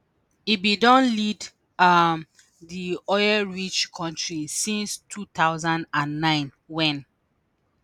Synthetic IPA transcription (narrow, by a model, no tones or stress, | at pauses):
ibidɔ̃nlid | am | ðiɔɪɛɹit͡ʃkʰɔ̃ntɹisĩnstʰut̪aʊzãndãnːãɪ̃n | wɛ̃n